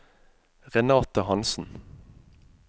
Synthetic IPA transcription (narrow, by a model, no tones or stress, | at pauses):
ʁɛnɑːt̪əhɑnsn̩